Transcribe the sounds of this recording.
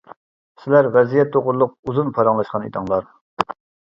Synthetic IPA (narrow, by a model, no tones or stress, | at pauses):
sɪlæɾʁɛzijɛt̪̚d̪oʁʊɾlˠʊq̚uzunpʰɑɾɑŋlˠɑʃqɑnḭd̪ʰɑŋlˠɑɾ